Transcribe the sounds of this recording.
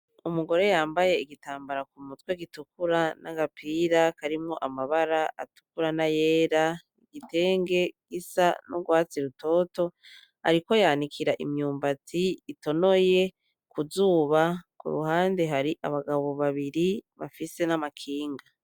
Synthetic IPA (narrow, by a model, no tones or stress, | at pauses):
umuɡo̞ɾe̞jaːmbaje̞iɡitaːmbaɾakumutweɡitukuɾanaɡapʰiːɾakaɾimŋoʔamaβaɾaa̰tu̥kuɾanaje̞ːɾa | iɡ̥ite̞ːŋɡe̞ɡ̥isanuɡwaːt͡siɾuto̞ːto̞ | a̰ɾiko̞jaːnikʰiɾaʔimɲuːmbatiːto̞no̞je̞ | kuzuːβakṵɾṵhaːnde̞ɦaɾiʔa̰βaɡaβo̞βaβiɾiβa̰fise̞namakʰiːŋɡa